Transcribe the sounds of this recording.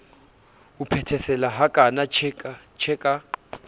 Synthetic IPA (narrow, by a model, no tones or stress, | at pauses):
upʰɛtʰɛsɛlaɦakʼanaɛat͡ʃʰɛkʼa